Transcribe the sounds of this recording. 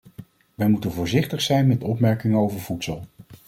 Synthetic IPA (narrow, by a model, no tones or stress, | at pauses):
ʋɛjmutənvʊːɹzɪχtəχsɛjnmɛtɔpmɛɹkɪŋəowvəɹv̥utsəlˠ